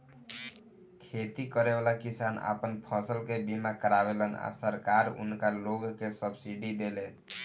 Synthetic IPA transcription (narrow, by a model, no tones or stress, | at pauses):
kʰet̪ikəɾebalakisana̰pənpʰəsəlkebimakəɾaβeləna̰səɾkaɾʊ̰nkaloɡkesəbsiɖid̪ele